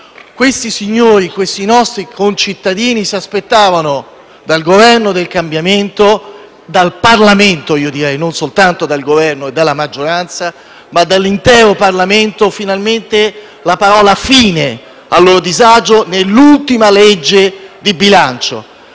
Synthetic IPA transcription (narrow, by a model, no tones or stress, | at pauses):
kwest̪isiɲːoːɾikwest̪inɔst̪ɾikʰont͡ʃit̪ːad̪iːnisiaspet̪ːaːvano | d̪alɡovɛrnod̪elkambjament̪o | d̪alparlament̪oiːod̪iɾɛjnonsolt̪ant̪od̪alɡovɛrnoed̪alːamad͡ʒːoɾant̪sa | mad̪ːalːint̪ɛːɾoparlament̪ofinalment̪e | lapaɾɔːlafiːne | alːoːɾod̪izad͡ʒonelːult̪imaled͡ʒːed̪ibilant͡ʃo̰